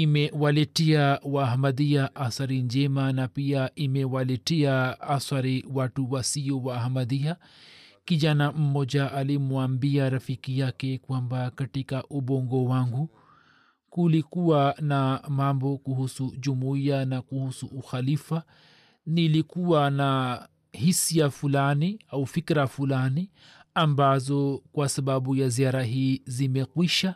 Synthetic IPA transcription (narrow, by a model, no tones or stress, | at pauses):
imɛwalɛtɛawaɦamaðiaʔasaɾiɲd͡ʒɛmanapiaʔimɛwalɛtɛaasaɾiwatuwasiɔwahamaðia | kid͡ʒanam̩mɔd͡ʒaʔalimuambiaɾafikijakɛkwambakatikaʔubɔŋɡɔwaŋɡu | kulikuwanamambɔkuhusuʄumuianakuhusuːxalifa | nilikuwana | hisiafulaniaufikɾafulani | ambazɔkwasaɓaɓujaziaɾaɦiːzimɛkwiʃa